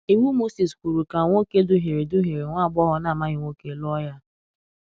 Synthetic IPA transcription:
i˨wu˦mo˦si˨skʷu˨ɾu˨ka˨ŋʷo˦ke˦dʊ˦ɦi˨ɾe˨dʊ˦ɦi˨ɾe˨ŋʷa˦˨ɡ͡bɔ˦ɦɔ˨na˦˨ma˦ɣɪ˨ŋʷo˦ke˦lɔ˦ja˦

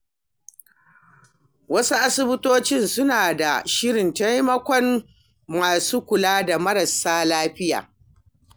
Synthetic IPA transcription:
wɐ˦su˦ʔa˦sɪ˦bʊ˦toː˦t͡ʃɪ˦nsʊ˦naː˨da˨ʃɪ˦ɽɪ˨nta˦jmɐ˦kʷɔ˦n | maː˨suː˦kʷʊ˨laː˦da˨mɐ˦ɾɐ˨saː˦laː˦ɸɪ˦ja̰ː˨

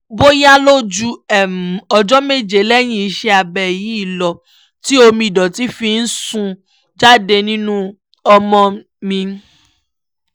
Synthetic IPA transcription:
bo˦ja˦lo˦d͡ʒu˧ɛ˨m̩˨ɔ˨d͡ʒɔ˦me˦˨d͡ʒe˨˦lɛ˦˨j̃ĩ˦˨i˧ʃɛ˧a˨bɛ˨ji˨˦i˦˨lɔ˨ | ti˦o˧mĩ˧i˨dɔ˨ti˨˦fi˧n̩˦sũ˧ | d͡ʒa˦de˧nĩ˦nũ˦ | ɔ˧mɔ̃˧ | mĩ˧

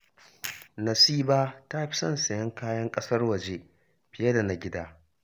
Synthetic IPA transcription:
nɐ˨siː˦baː˦ta˦ɸi̥˦sɐ˦nsɐ˨jɐ˦ŋkaː˦jɐ˦ŋkʼɐ˦sɐ˦rwɐ˨d͡ʒe˦ | ɸɪ˨jɐ˦da˨na˨ɡʲɪ˦daː˦

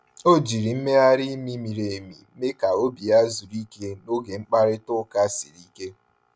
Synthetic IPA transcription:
o˦d͡ʒi˨ɾi˨m̩˦me˦a˦ɾi˦mi˦mi˨ɾe˨mḭ˨˦me˦ka˨o˦bi˨a˦zu˨ɾi˦ke˦no˦ɡe˨ŋ͡m̩˦k͡pa˦ɾɪ˦tʊ˦ka˦si˨ɾi˦ke˦

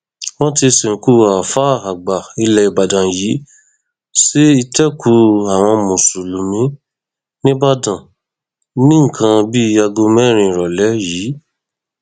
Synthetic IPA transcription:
w̃ɔ̃˦ti˧sẽ˨ku˧a˨fa˦˨a˨ɡ͡ba˨i˧lɛ˧i˧ba˨dã˨jiː˨˦ | si˦i˧tɛ˦˨ku˧˦a˨w̃ɔ̃˧mũ˨su˨lu˨mĩ˦ | nĩ˦ba˦dã˨ | nĩ˦ŋ̩˨kʰã˧bi˦˧˦a˧ɡo˧mɛ̃˦˨ɾ̃ĩ˧˨ɾɔ˨lɛ˨˦ji˨˦

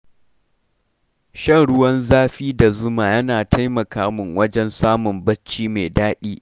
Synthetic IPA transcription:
ʃɐ˦˨ŋɽʊ˦wɐ˦nzaː˦ɸiː˦da˨zʊ˦maː˨jɐ˦naː˨tʰa˦jmɐ˨kaː˦mʊ˨ŋwɐ˦d͡ʒɛ˦nsaː˦mʊ˨mbɐ˦t͡ʃːiː˦meː˨daː˦ɗiː˦

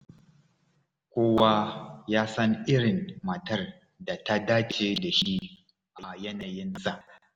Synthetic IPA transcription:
kʷoː˦wa˦jaː˦sɐ˦ŋʔɪ˦ɽɪ˨nmɐ˨tɐ˦r | da˨ta˦daː˦t͡ʃeː˦da˨ʃi˦ | ʔa˨jɐ˦na˨jɪ˦nsa˨ʔ

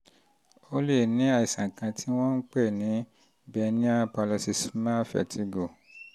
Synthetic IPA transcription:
o˦le˦˨nĩ˨˦a˦˨i˨sã˨kã˧tʰi˦w̃ɔ̃˦n̩˦k͡pɛ˦˨nĩ˨˦ | bɛ˧nĩ˦a˦pa˧lɔ˧si˧smã˦˨fɛ̰˨tʰi˨˧˦ɡo˨

